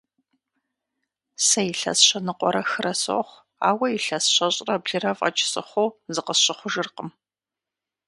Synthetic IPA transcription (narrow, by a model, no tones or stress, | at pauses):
sɐjɪɬɐ̰sɕɐnɨqʷɔɾɐxɨɾɐso̰χʷ | a̰ːwɐjɪɬɐsɕʷɐɕʼrɐbɮɨrɐvɐ̰t͡ʃʰʼɪ̥sʼɨ̰χʷowzɨqəsɕɪχʷʊʒɨrqəm